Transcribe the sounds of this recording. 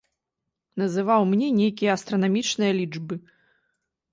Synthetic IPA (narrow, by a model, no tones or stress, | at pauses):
n̪ɐzɨvawmnʲɛnʲejkʲijɐɐst̪ɾɐnamʲit͡ʂnɨjɐlʲid͡ʐbɨ